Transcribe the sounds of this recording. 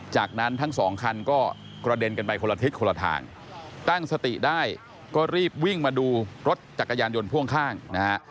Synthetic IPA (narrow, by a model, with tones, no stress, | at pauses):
t͡ɕaː˨˩k̚na˦˥nt̪ʰa˦˥ŋsɔ̰ː˩˦ŋkʰa˧nkɔː˥˩ | kɾa˧de˧nka˧npa˧jkʰo˧la˧i˦˥t̪̚kʰo˧la˧t̪ʰa̰ː˧ŋ | t̪a˥˩ŋsa˧t̪ḭ˨˩daː˥˩j | kɔː˥˩ɾiː˥˩p̚wi˥˩ŋmaː˧duː˧ɾo˦˥t̪̚t͡ɕa˨˩kːa˧jaː˧njo˧npʰu˥˩əŋkʰaː˥˩ŋna˦ha˦˥ʔ